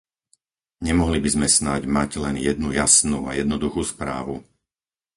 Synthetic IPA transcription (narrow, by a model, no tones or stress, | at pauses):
ɲɛmɔɦlibizmɛsnaɟmaɟlɛnjɛd̪̚nujasnuːa̰jɛd̪nɔd̪uxuːspɾa̰ːʋu